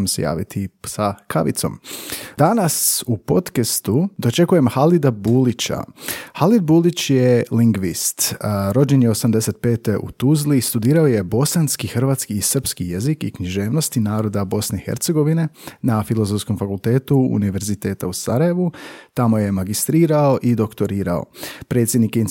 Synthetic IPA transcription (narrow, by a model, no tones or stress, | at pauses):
msḛja̰ːʋḭt̪ʰisakʰa̰ʋḭt̪so̞̰md̪anasupo̞t̪kest̪ud̪o̞t͡ʃe̞kuje̞mhalid̪abuːlit͡ɕa̰halid̪̚buːlit͡ɕjeliŋɡʋist̪ɾo̞d͡ʒenjeo̞samd̪e̞se̞t̪̚peːt̪eʔṵt̪uzlist̪ud̪iːɾaoje̞bo̞sanskixr̩ʋaːt̪skiːsər̩pskijezikikɲiʒe̞ːʋno̞st̪inaːɾo̞d̪abo̞sne̞ixe̞̰ɾt̪seɡo̞ʋine̞nafilˠo̞zo̞fsko̞mfakulˠt̪e̞ːt̪uṵniʋe̞ɾzit̪e̞ːt̪ausaɾaje̞ʋut̪amo̞je̞maɡist̪ɾiːɾao̞ʔid̪o̞kt̪o̞ɾiːɾa̰o̰pɾe̞ːt̪sjed̪nikin